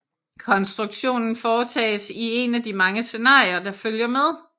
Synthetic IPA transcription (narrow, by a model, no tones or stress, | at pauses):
kʰɒ̽nsd̥ʁuɡ̥ɕo̝̰ːnn̩fɒːt͡sʰɛ̰ːsie̝næd̥imɑ̈ŋəse̝nɑ̰̈ːiɐd̥ɑ̈føljɐmeð̞ˠ